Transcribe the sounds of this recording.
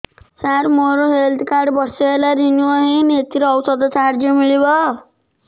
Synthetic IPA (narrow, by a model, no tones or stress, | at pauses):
saɾmoɾoɦeld̪kaɖbʌɾseɦelaɾinuaɦĩnet̪iɾːwsʌd̪ɔt͡saɾd͡ʒɔmiɭibʌ